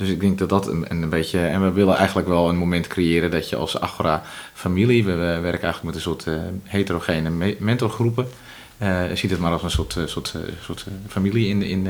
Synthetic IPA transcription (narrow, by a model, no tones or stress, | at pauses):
d̥øsɪk̚dɪŋk̚dɔt̚dɔtə̰nbetjəɛnʋəʋɪlˠənʔɛ̰jɣən̩tləkʋɛlˠənmomɛntkʰrejɪːɾədɔtjəɔ̰lˠsa̰xurafamiliʋəəʋɛrkəɛjxələkmɛtənsʊətheːtəroxenəmɛntoxrupə | sitdətmaɾɔsənsotsotsoətfamiliɪnɪ̰n